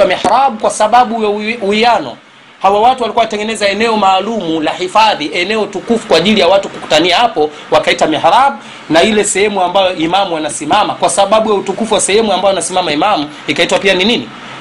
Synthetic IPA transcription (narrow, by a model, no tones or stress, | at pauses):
amiħaɾaɓukwasaɓaɓujauianɔ̰ | hawawatuwalikwaatɛŋɡɛnɛzaɛnɛɔmaːlumulahifaðiʔɛnɛɔtukufu̥kwaːʄilijawatukuku̥taniahapɔ | wakaitamiħɾaɓu | nailɛsɛhɛmuambajɔʔimamuwanasimamakwasaɓaɓujautukufuwasɛhɛmuambajanasimamaimamu | ikaitwapianinini